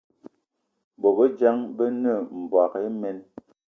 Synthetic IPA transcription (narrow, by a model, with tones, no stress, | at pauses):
bo˨bə˦d͡ʒa˦ŋbə˦nə˦˨m̩˨bwa˨ke˦mɛ˦n